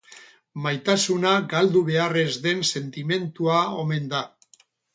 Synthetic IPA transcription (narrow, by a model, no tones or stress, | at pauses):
majt̪asunaɡald̪uβe̞are̞zðe̞nse̞nt̪ime̞nt̪uaome̞nd̪a